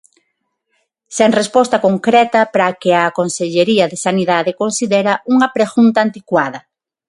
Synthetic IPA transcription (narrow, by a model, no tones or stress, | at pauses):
seŋrespɔst̪ɐkoŋkɾɛt̪ɐpɾakeakonseʎeɾiɐðesaniðaðekonsiðeɾɐuŋɐpɾeɣunt̪aːnt̪ikwaðɐ